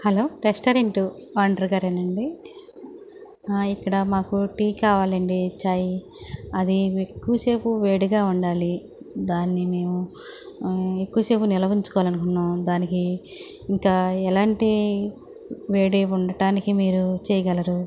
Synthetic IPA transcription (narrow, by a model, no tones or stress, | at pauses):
hɐlo̞ːɾesʈɐːɾeɳʈuaːɳɖɐɾɡaːɾɐnːɐɳɖi | ikːɐɽɐmaːkuʈiːkaːʋaːlɐɳɖit͡ʃaːj | ɐd̪iekːuʋɐse̞ːpuʋeːɽiɡaːuɳɖaːli | d̪aːnːime̞ːmu | ekːuʋɐse̞ːpunilɐʋiɲt͡ʃu̥kɔʋalɐnukunːaːmd̪aːnikiː | ŋkaːɛlaːɳʈi | ʋeːɽiuɳɖɐʈaːnikimiːɾut͡ʃɛːjɐɡɐlɐɾu